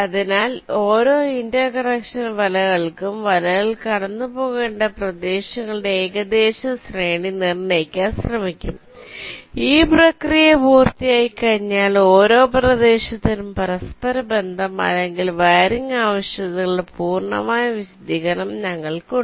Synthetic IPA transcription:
ɐðinaːlo̞ːɾo̞ːindɐkɐrɐkʂɐnʋɐlɐɣɐɭkumʋɐlɐɣɐɭkɐɽɐnːupo̞ːɣe̞ːɳɖɐprɐd̪e̞ːɕɐŋːɐɭɨɽeːɣɐd̪e̞ːɕɐsreːɳinirneːkʲːaːnsrɐmikʲːum | iːprɐkrijɐpuːrt̪ijaːjikɐɻiɲːaːloːɾo̞ːprɐd̪e̞ːɕɐt̪ːinumpɐɾɐspɐɾɐbe̞nd̪ʱɐmɐ̰lːeŋɡilʋaːɾiŋaːʋɐɕjɐðiɣɭpuːrɳɐ̰maːjɐʋiɕɐd̪ʱiɣɐɳɐmɲɐŋːɐɭku

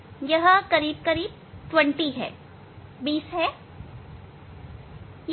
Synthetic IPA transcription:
jɐɦkɐɾiːb̚kɐɾiːb̚ | ʈwə̃ɳʈiɦɛ̰ː | biːsɦɛː | j

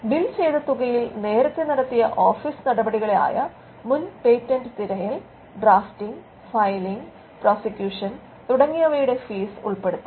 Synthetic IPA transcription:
bilt͡ɕejd̪ɐt̪ːuɣɐjilne̞ːɾɐk̪ːeniɽɐt̪ːijɐʔo̞ːfiːsnɐɽɐbɐɽiɣɐɭea̰ːjɐ | munpeːtːɐnɖɨt̪iɾɐjil | ɖraːftiŋɡ | fɐjliŋɡ | proːsikʲjuːʂɐn | t̪uɽɐŋːijɐʋɐjuɽe̞fiːsṵɭpe̞ɽut̪ːɨ

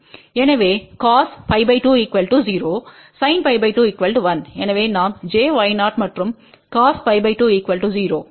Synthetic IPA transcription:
ɛnɐʋeːkaːspɐɪbɐɪʈuːiːkʋɐlʈud͡ʒiːɾoː | sɐɪnpɐɪbɐɪʈuːɪkʋɐlʈuʋɐnɛnɐʋeːnaːmd͡ʒeːʋɐjnaːʈmɐʈɾɯm | kaːspɐɪbɐɪʈuːiːkʋɐlʈud͡ʒiːɾoː

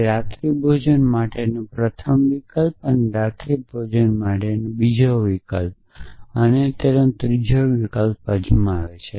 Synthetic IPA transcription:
ɾat̪ɾibʱod͡ʒənmaʈenũpɾət̪ʰəmʋikəlpəneɾat̪ɾibʱod͡ʒənmaʈenũbid͡ʒoʋikəlp̚ | ənet̪enõt̪ɾid͡ʒʱəʋikəlpəd͡ʒumaʋet͡ʃʰe

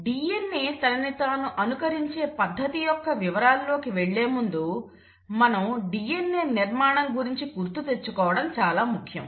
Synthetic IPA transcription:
ɖiːjenːeːt̪ɐnɐnit̪aːnuʔɐnukɐɾiɲt͡ʃe̞ːpɐd̪ʱːɐt̪ijɔkːɐʋiʋɐɾaːllo̞ːkiʋeɭːe̞ːmund̪u | mɐnɐmɖijenːeːniɾmaːɳɐmɡuɾiɲt͡ʃikuɾt̪ut̪e̞t͡ʃːukɔːʋɐɽɐmt͡ʃaːlaːmukʰjɐ̰m

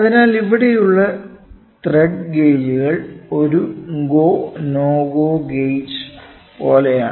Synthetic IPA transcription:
ɐðinaːliʋiɽe̞juɭːɐ | t̪reɖɡejd͡ʑuɣɐɭo̞ɾuŋɡoːnoːɡoːɡejs | po̞ːleja̰ːɳ

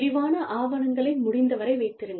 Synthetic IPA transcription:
ɾɪʋaːnɐʔaːʋɐɳɐŋɡɐɭɐɪmʊɽɪnd̪ɐʋɐɾɐɪʋɐɪt̪ːɪɾɯŋɡ

